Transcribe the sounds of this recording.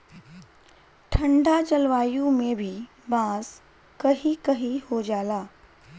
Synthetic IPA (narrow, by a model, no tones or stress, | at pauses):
ʈʰəɳɖat͡ʃəlʋaːjũmebʱiː | bãs | kəɦikəɦihod͡ʒaːlaː